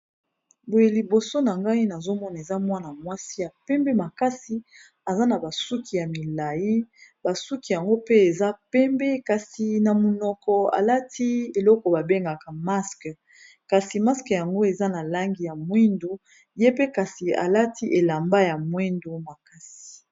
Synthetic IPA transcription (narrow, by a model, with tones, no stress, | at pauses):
bo˨je˨li˨bo˨so˦na˨ŋɡa˦i˦na˨zo˦mɔ˦na˨e˨za˦mwa˦na˨mwa˦si˦ja˨pɛ˦mbɛ˦ma˨ka˦si˦ | a˨za˦na˨ba˨su˦kʰi˨ja˨mi˨la˨ji˦ba˨su˦ki˨ja˨ŋɡo˦pe˦e˨za˦pɛ˦mbɛ˦ka˨si˨na˨mo˨nɔ˨kɔ˨a̰˨la˦ti˦e˨lɔ˦kɔ˨ba˨be˦ŋɡa˨ka˨ma˦sk | ka˨si˨ma˦skja˨ŋɡo˦e˨za˦na˨la˦ŋɡi˨ja˨mwe˦ndo˦ | je˦pe˦ka˨si˨a̰˨la˦tʰi˦ʔe˨la˨mba˦ja˨mwɛ˦ndo˦ma˨ka˦si̥˨